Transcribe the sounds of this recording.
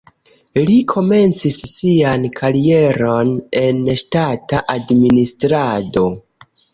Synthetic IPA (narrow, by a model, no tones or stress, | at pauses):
likʰo̞me̞nt͡sisːiankʰaɾie̞ɾo̞ne̞nʃtataʔadministɾado̞